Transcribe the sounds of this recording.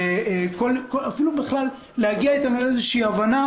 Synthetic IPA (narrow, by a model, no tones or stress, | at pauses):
ekolkoafilubiχlalː | ehaɡiait̪amalezeʃiiːavana